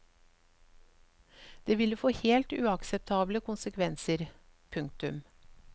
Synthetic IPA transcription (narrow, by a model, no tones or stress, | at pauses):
d̪̥eːʋɪləfoːheːlt̪ʉːɑksɛp̚t̪ʰɑːbləkʰʊnsəkʰʋɛnsəɾpʰʉŋk̚t̪ʉm